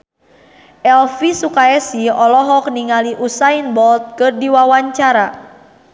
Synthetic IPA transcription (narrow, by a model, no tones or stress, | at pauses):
ʔɛlfisukaɛsiɔlɔɦɔk̚niŋaliʔusainbɔlt̪̚kɨrdiwawaɲt͡ʃaɾa